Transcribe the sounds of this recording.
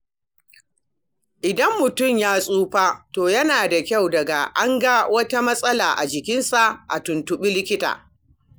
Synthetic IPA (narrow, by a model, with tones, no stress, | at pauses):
ʔɪ˨dɐ˦mːʊ˨tʊ˦˨mjaː˦sʼuː˦ɸaː˦toː˨jɐ˦naː˨da˨kʲa˦˨wdɐ˨ɡa˨ʔa˦ŋɡa˦wɐ˦ta˦mɐ˦sʼɐ˦laː˨ʔa˨d͡ʒɪ˨kʲɪ˦nsa˨ʔʔa̰˨tʊ˨ntʊ˨ɓi˦lɪ˦kʲɪ˦ta̰ː˨